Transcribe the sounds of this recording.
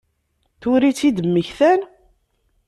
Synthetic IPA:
θʊɾit͡sːid̪əmːəçθæn

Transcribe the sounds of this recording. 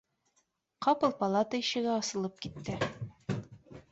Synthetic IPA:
qɒpɤlˠpɐlˠat̪əiɕɘ̆ɡæɒsɤ̆lˠɤp̚kit̪ːɘ

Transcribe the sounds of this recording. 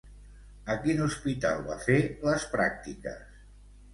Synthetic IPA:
əkinuspit̪a̰lˠβa̰feləspɾa̰k̚t̪ikə̰s

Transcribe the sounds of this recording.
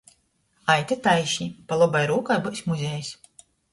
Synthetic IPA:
ajt̪ʲet̪ajʃipalˠɔbajɾuːkajbɔsʲmuzʲejsʲ

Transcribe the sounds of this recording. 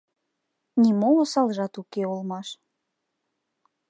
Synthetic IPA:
nimoosɑlʒɑt̪ukeulmɑʃ

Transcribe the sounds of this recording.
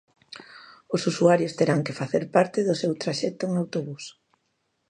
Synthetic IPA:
ʊsusuaɾjʊst̪eɾaŋkefaθeɾpaɾt̪ɪðʊsewt̪ɾaʃɛt̪oeŋawt̪oβus

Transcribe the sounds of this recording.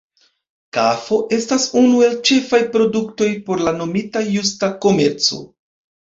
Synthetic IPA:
kafo̞ʔe̞stasunue̞lt͡ʃe̞fajpɾo̞dukto̞jpo̞ɾlano̞mitajustako̞me̞ɾt͡so̞̰

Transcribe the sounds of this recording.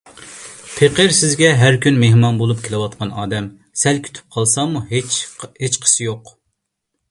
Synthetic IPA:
pʰeqəɾsɪzɡʲɛɦæɾkʲynmehmɑnbolˠup̚kʲʰelɨwɑt̪̚qʰɑnɑːd̪ɛm | sɛlkʲʰy̥t̪ʰy̥p̚qʰɑlˠsɑmut͡ʃhet͡ʃqʰə̥sɨjoq

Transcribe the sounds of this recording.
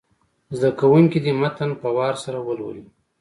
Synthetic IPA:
zd̪akawuŋkid̪imat̪anpawɑɾsaɾawəlwə̰li

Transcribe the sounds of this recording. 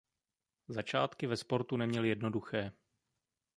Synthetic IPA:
zat͡ʃaːt̪kɪvɛspo̞ɾt̪unɛmɲɛljɛdno̞duxɛː

